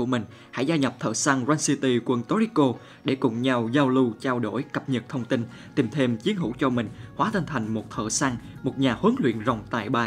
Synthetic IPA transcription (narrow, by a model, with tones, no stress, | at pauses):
u˧˩əmï˨˩ŋ̟ | ha̰˧˥jzaː˧ɲə˨˩p̚t̪ʰə̰ː˧˩sa˧ŋzwaː˧nsi˧t̪i˧kwə˧˩nt̪o˧˦ɾi˨˦˥ko˧ | ɗe˧˩kʊ̰˧˨ŋ͡mɲa˧wzaː˧wlu˧t͡ɕaː˧wɗo˧˩jkə˨˩p̚ɲə˨˩t̚t̪ʰə˧wŋ͡mt̪i˧n | t̪i˨˩mt̪ʰe˧mt͡ɕi˨˦ənɦṵ˧˥t͡ɕɔ˧mï˨˩ŋ̟hwaː˨˦t̪ʰi˧ŋ̟t̪ʰa˨˩jŋ̟mo˨˩t̚t̪ʰə̰ː˧˩sa˧ŋmo˨˩t̚ɲaː˨˩hə˨˦nlwḭ˧˨ənzə˨˩wŋ͡mt̪a̰ː˧˨jɓaː˧